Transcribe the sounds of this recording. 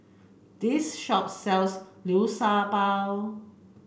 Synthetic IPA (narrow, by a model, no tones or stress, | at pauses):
d̥̪isʃɔp̚sɛlsliːwsaːpaːw